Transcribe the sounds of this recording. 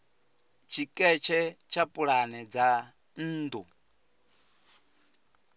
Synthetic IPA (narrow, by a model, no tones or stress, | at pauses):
t͡ʃʰikʼɛt͡ʃʰɛt͡ʃʰapʼuɺanɛd͡za | n̩ːd̪u